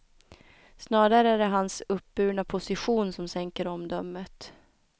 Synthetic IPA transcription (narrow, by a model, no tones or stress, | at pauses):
snɑːɾaɾəæɖɛɦansɵp̚bʉ̟ːɳapʰʊsɪɧuːnsɔmsɛŋkəɾɔmd̪œmːət̪